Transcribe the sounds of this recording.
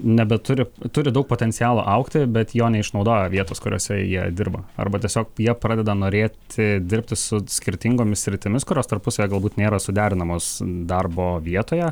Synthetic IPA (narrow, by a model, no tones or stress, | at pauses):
nʲɛbʲɛt̪ʊɾʲɪt̪ʊɾʲɪd̪ɐʊk̚poːt̪ʲɛnt̪sʲɪjæːlˠṵːʔɐʊkt̪ʲɪbʲɛt̪joːnʲɛɪʃnɒʊd̪oːjɛʋʲiɛt̪oːskʊɾʲo̰ːsʲɛjiɛd̪ʲɪrbɐɐ̰rbɐt̪ʲiɛsʲoːk̚jiɛpɾɑːdʲɛd̪ɐnoːɾʲeːt̪ʲʰɪd̪ʲɪɾʲpʲt̪ʲɪsʊsʲkʲɪɾʲt̪ʲɪŋɡoːmʲɪssʲɾʲɪt̪ʲɪmʲɪskʊɾʲoːst̪ɐrpʊsɐjɛɡɐlˠbuːt̪nʲeːɾɐsʊd̪ʲæːɾʲɪnɐmoːsd̪ɐrboːʋʲiɛt̪oːjɛ